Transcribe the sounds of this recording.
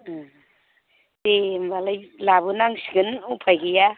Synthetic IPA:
t̪embalajlaβunaŋsiɡɯnupʰajɡija

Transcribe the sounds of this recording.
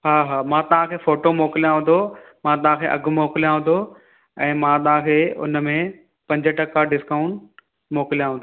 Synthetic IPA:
ɦaːɦaːmãːt̪ɐʋãkʰeːfoːʈomoːkɪlijãɦʊ̃n̆d̪ʱo | mãːt̪̬ɐʋɦãkʰeːʔɐ̰ɡmoːkɪlijãɦʊ̃n̆d̪o | ɛ̃ːmãt̪ɐʋ̤ãkʰeːʊ̰nmẽ | pɐ̃ɲd͡ʑəʈɐkaɖɪskaːʊ̃ɳʈ | moːkɪlijãɦʊ̃ːnd̪o

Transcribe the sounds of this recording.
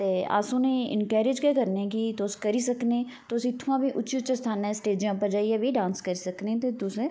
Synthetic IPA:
t̪eːa̰ːsũːnẽɪ̰nkɛːɾed͡ʒkekəɾnekit̪oːskəɾiːsəknẽː | t̪osĩːt̪ʰːʋãːbʱiʔʊʃiʊt͡ʃest̪ʰaːnẽsʈeːd͡ʒɪjãːpəɾd͡ʒaːiabʱiɖãːnskəɾisəknẽt̪et̪ʊse

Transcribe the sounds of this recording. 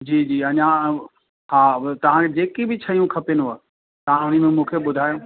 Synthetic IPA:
d͡ʑiːd͡ʑiːɐɲã | haːt̪ɐʋ̤ãkʰed͡ʑeːkebɪt͡ɕʰɐijũkʰɐpenua | t̪ɐʋ̤ãʊnĭmẽmũːkʰeɓʊd̪ʱaːjõː

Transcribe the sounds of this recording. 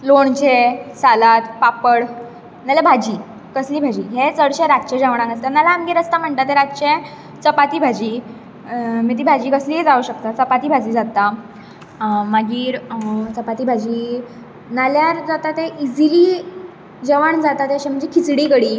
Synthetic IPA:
loɳt͡ɕesalat̪papəɽ | nalebʱad͡ʑiː | kəsliːbʱad͡ʑiːɦet͡səɽɕeɾat̪t͡ɕed͡ʑəʋɳãŋɡəst̪analaamɡiːɾəst̪am̤əɳʈ̪at̪eɾat̪t͡ɕẽ | t͡səpat̪iːbʱad͡ʑiː | mit̪̬iːbʱad͡ʑiːkəsliːed͡zauɕək̚t̪at͡səpat̪iːbʱad͡ʑiːd͡zat̪a | maɡiːɾt͡səpat̪iːbʱad͡ʑiː | naljaɾd͡zat̪at̪eʔid͡ziliː | d͡ʑəʋəɳd͡zat̪at̪eəɕem̤əɳd͡zekʰit͡sɽiːkəɽiː

